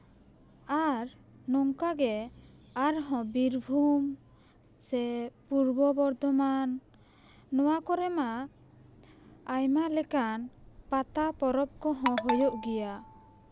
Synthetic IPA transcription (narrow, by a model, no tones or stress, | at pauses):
aɾ | nɔŋkaɡɛ | aɾɦɔ̃biɾbʱum | sɛpuɾbɔbɔɾd̪ɔmanː | ɔwakɔɾɛma | jmalɛkanpat̪apɔɾɔp̚kɔɦɔ̃ɦɔjoʔɡɛja